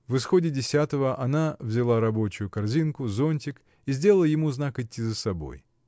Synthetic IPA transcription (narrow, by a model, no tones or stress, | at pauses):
vɨsxo̞dʲɪdʲɪsʲat̪əvəʔɐnavzʲɪlˠaɾɐbo̞t͡ɕʊjʊkɐrzʲinkʊzo̞nʲtʲɪk | izʲdʲe̞ləlˠjɪmuznakɪtʲːizəsɐbo̞̰j